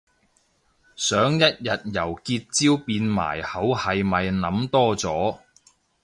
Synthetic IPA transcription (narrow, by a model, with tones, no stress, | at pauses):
sœː˨˥ŋjɐ˥t̚jɐ˨t̚jɐ˨˩wkiː˧t̚t͡siː˥wpiː˧nma̰ː˨˩jhɐ˨˥whɐ˨jmɐ˨jnɐ˨˥mt̪ɔː˥t͡sɔː˨˥